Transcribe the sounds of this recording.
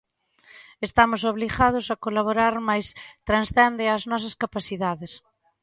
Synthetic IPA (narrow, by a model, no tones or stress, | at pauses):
est̪amʊsoβliɣað̞ʊsakolaβoɾaɾmajst̪ɾansθɛnd̪ɪaznɔsɐskapaθiðaðes